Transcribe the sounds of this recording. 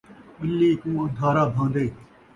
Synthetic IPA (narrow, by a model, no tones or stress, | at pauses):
mɪlːiːkũːə̃nd̪ʱaːɾaːbʱãːnd̪eː